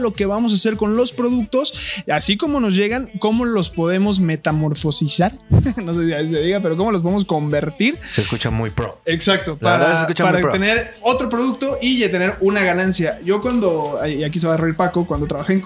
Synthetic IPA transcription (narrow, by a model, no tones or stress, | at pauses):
lo̞ke̞βamo̞s̬ase̞ɾko̞nlo̞spɾo̞ðuk̚t̪o̞sasiko̞mo̞no̞zʝe̞ɣaŋkomo̞lo̞spo̞ðe̞mo̞zme̞t̪amo̞ɾfo̞sisaɾno̞s̬esias̬eðiɣapeɾo̞k̬o̞mo̞los̬poemo̞s̬ko̞mbe̞ɾt̪iɾseskut͡ʃamujpɾo̰eksak̚t̪opaɾaeskut͡ʃpaɾɾat̪ene̞ɾ | o̞t̪ɾop̬ɾoðuk̚t̪o̞ʔiet̪ene̞ɾunaɣanansjaʝo̞kwand̪o̞aak̬iseβareiɾpako̞kwand̪ot̪ɾaβaxeŋ